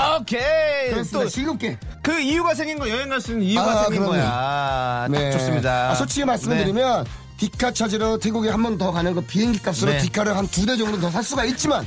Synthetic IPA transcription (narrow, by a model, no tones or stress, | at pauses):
okʰeɯɾesodeɕʰiɡuk͈e̞ | kɯijuɡas̬ʰeŋinɡʌjʌeŋaɭs͈uɯniuaaeŋkiɯɾʌa | ne̞s͈ɯmɲidaasʰot͡ɕʰiɡemaɭs͈ɯmɯɭdɯɾimjʌn | tikʰat͡ɕʰad͡ʑiɾʌtʰeɡuɡehambʌntʌkanɯnɡʌpiɦeŋɡik͈ap̚s͈ɯɾotikʰaɾɯɭɦantude̞d͡ʑʌŋɡɯɾotʌsʰas͈uɡait̚t͡ɕ͈iman